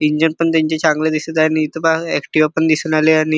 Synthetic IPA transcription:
iɲd͡ʑənpəɳt̪̬jaɲt͡ɕet͡ɕʰaŋɡled̪isət̪añiːt̪əbaɛkʈiʋapəɳd̪isuːnaleaɽ̃i

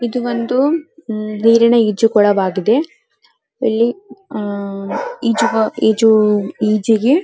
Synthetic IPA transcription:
id̪uʋond̪u | niːɾinɐiːd͡ʒukɔɽɐʋaːɡid̪e̞ | ɐlːi | iːd͡ʒuɡɐiːd͡ʒuiːd͡ʒiɡe

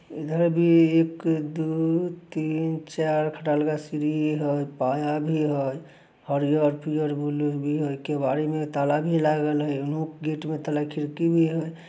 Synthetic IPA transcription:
id̪ʱəɾbʱiekd̪ut̪int͡ʃaɾkʰəʈalɡasiɾiɦiɦəjpajabʱiɦəj | həɾijəɾpʰijəɾbʱulubʱiɦojkebaɾimet̪alabʱilaɡəlɦəjunũkɡiʈmet̪əlakʰiɾkibʱiɦəj

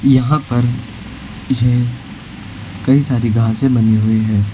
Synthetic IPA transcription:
jɐɦãpɐɾ | je | kɐisaːɾiɡʱaːsẽbɐneɦʊeɦɛ̃ː

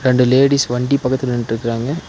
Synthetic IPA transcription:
ɾɛɳɖɯleːɽisʋɐɳɖipɐkːɐt̪ːɪlnɪnʈɪɾɯkːɪɾaːŋɡɐ

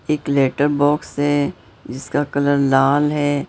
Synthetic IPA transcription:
eːkleːʈəɾbɔːksɦɛ | d͡ʒɪskakɐləɾlaːlɦɛː

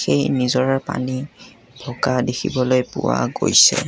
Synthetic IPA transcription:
xejnizɔɹaɹpa̰ni | b̥ʱɔkadekʰḭbɔlojpʊwaɡojsɛ

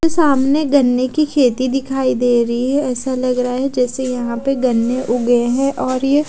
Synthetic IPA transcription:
esaːmneɡɐnːekikʰeːt̪id̪ɪkʰaːid̪eːɾɐɦiɦɛɛːsalɐɡɾɐɦaɦɛd͡ʒɛːsejɐɦãpeɡɐnːeʔʊɡəeɦɛ̃ːʔɔːɾje

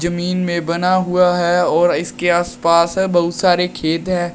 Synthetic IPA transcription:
zɐmiːnmẽbɐnaɦuaɦɛɔːɾɪskeaːspaːsbɐɦʊt̪saːɾekʰeːt̪ɦɛ̃ː

